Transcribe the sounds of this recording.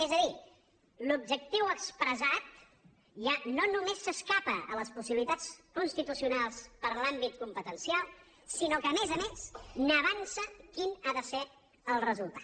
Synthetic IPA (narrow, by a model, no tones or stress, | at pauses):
ezəði | lub̚d͡ʒək̚t̪iwəkspɾəzat̪̚ | ʒanonumesːəskapəələspusiβlit̪at͡skunst̪it̪usiunalˠspəɾlambit̪̚kumpət̪ənsialˠ | sinokəmezəmesnəβansəkinaðəse | əlˠrəzulˠt̪ḁ